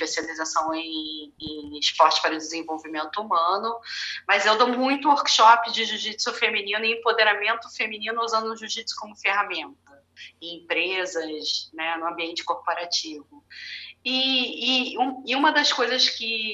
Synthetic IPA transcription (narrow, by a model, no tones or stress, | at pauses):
ʃpesializasɐ̃w̃ẽẽɪʃpɔɾt͡ʃɪ̥ʃpaɾɐʊd͡ʒɪzẽvowvimẽnt̪ʊumɐ̃nʊmɐzewd̪owmũj̃t̪ʊoɾkʃɔpɪd͡ʒɪʒuʃisʊfeminĩnʊɪĩẽmpod̪eɾamẽnt̪ʊfeminĩnʊuzɐ̃nd̪ʊũʒuʃt͡ʃisʊ̥kõmʊfeɦamẽnt̪ɐ | ẽj̃ẽpɾezɐsnɛnʊɐ̃mbiẽnt͡ʃɪ̥koɾpoɾat͡ʃivʊ | ɪː | ũɪũmɐd̪ɐskojzɐskɪ